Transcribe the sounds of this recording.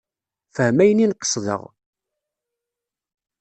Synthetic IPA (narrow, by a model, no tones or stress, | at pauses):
fəhmæjəninqə̥sˤðə̰ʁ